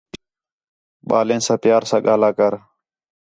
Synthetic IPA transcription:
ɓaːlẽːnsãːpɪjaːɾsãːɠaːlaːkəɾ

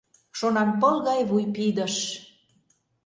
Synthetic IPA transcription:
ʃonɑmpɤlɣɑjβujpid̪əʃ

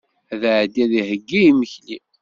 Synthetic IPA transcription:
æðʕd̪ːæðihəɡːijiməçli

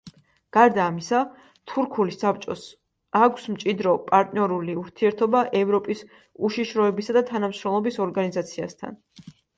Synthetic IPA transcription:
ɡ̥aɾd̪aːmisa | t̪ʰuɾkʰulisːap̚t͡ʃʼɔs | akʷʰsmt͡ʃʼid̪ɾɔpʼaɾt̪ʼniɔɾuliuɾt̪ʰiɛɾt̪ʰɔbaʔɛvɾɔpʼis | uʃiʃɾɔɛbisad̪at̪ʰanamʃɾɔmlˠɔbisɔɾɡanizat̪sʰia̰st̪ʰa̰n

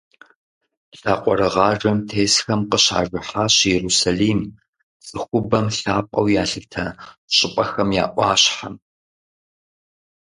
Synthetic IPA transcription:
ɬaːqʷʼɔɾɨʁɑːʐɐmtʰeːsxɐmqəɕa̰ːʐɨħaːɕjɛɾusaːliːm | t͡sʼɨxʷʊbɐmɬaːpʼɐ̰wjaːɬɨtʰɐɕʼɪpʼɐxɐmja̰ːʔʷɑːɕħam

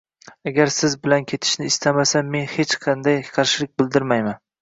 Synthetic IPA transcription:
aɡʲaɾsɪzbɪlankʲʰe̞t̪ʰɪ̥ʃnɪːst̪ʰamasame̞nhe̞t͡ʃqʰɑnd̪ajqʰɑɾʃɪlɪk̚ʲbɪld̪ɪɾmajman

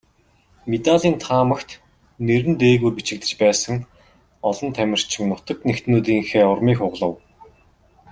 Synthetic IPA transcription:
met̪aɮiːnt̪ʰaːmə̆kt̪ | neɾɘ̆nt̪eːɣujpit͡ɕɪ̆k̚t̪ɘ̆t͡ɕpæːsə̆ŋ | ɔɮɞ̆nt̪ʰæmʲɪ̆r̥t͡ɕʰɪ̆ŋnʊt̪ə̆knext̪nuːt̪̬iːŋxeːʊrmiːxʊʁɮə̆w

